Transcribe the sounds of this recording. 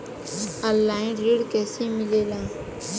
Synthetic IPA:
əlːaːĩːɖiːɽkeːsĩːmɪleːlãː

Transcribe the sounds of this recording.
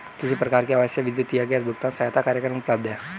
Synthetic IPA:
k̪is̬ipərkaɾkiawasaʋid̪ot̪iaɡɛt̪̚buk̚t̪ansajat̪akaɾakanunplab̚d̪a

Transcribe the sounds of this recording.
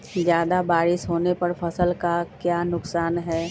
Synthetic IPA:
zjaːd̪abaːɾɪʃɦoːnepɐɾpʰəsəlkakjaːnʊksaːnɦɛː

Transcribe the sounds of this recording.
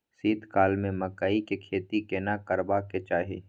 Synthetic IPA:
siːd̪ʱkaːlmẽmɐkaːikekʰeːt̪ikenakəɾbaket͡ʃaːɦe

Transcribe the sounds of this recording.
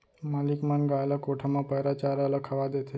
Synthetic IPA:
malikmanɡajlakoʈʰamãpəjɾat͡ʃaɾaləkʰaʋad̪et̪ʰe

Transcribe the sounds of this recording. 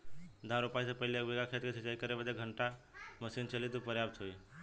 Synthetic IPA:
d̪ʱãɾupaisə̃pəɦɪleʋeɡakʰet̪kesit͡ʃaikəɾebəd̪eɡʱəɳʈaməsint͡ʃəlit̪̬upəɾjab̚t̪ʰɦoi

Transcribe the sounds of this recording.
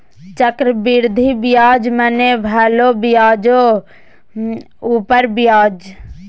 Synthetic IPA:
t͡ʃəkɾəbiɾd̪ʱibijaːd͡ʒmənebʱɛːlobjaːd͡ʒo | uːpəɾbɪjaːd͡ʒ

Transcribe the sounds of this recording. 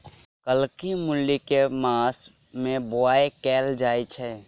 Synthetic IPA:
kəlkimʊlːikemaːs | mẽbʊaːekɛːld͡ʒaːit͡ʃʰɛː

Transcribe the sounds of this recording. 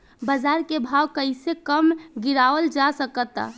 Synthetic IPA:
bəd͡ʒaɾkebʱawkəɪsekəmɡiɾaʋəld͡ʒasəkət̪a̰

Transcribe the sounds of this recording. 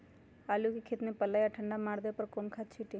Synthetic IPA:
aːlukikʰet̪nepəlːajaʈʰəɳɖamaːɽd̪epəɾkoːnkʰat͡ʃʰiʈe

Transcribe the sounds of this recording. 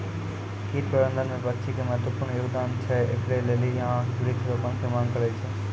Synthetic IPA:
kiːt̪pəɾə̃nd̪ənmẽbət̪ːʃʰikemət̪əpʊɾɳjoːɡd̪aːnt͡ʃʰɛḛkʰlelelijãɾikʰɾopənkʰemaːŋkəɾat͡ʃʰe

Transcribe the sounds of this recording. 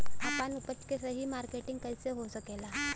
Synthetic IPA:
apanupət͡ɕkesəɦiːmaɾkeʈiŋɡkəjseɦosəkela

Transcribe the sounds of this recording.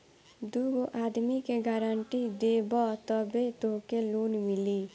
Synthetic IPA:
d̪uɡoʔaːd̪mikeɡaɾəɳʈid̪ebɔt̪ɔbet̪oɦkeloːnmili

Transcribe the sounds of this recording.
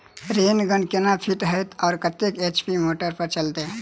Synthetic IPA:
ɾenɡənkenapʰiʈɦəjt̪ɔːɾkət̪eket͡ʃpimoʈəɾpəɾt͡ʃəlt̪e

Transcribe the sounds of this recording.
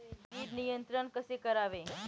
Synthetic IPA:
iːɾnɪjə̃nt̪ɾənkɐsekɐɾaːʋẽɦɛ̃ː

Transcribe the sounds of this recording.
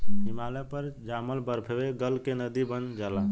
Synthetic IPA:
nimalepəɾd͡ʒaməlbəɾpʰebeɡəlkenəd̪ibənd͡ʒala

